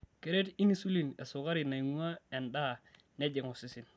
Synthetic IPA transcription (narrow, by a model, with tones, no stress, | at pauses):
ke˨ɾe˦ti˦ni˦su˦li˨ne˨sʊ˨ka˦ɾi˨na˨i˨ŋu˦a˦e˨nda˦˨ | ne˦d͡ʒe˨ŋu˨si˨˦si˦˨n